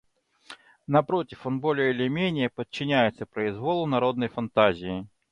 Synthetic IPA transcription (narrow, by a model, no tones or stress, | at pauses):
nɐpɾotʲɪfonbolʲɪɪlʲɪmʲenʲɪjəpət̚t͡ɕːɪnʲæjɪt̪səpɾəɪzvolˠʊnɐɾo̞d̪nəjfɐnt̪azʲɪjɪ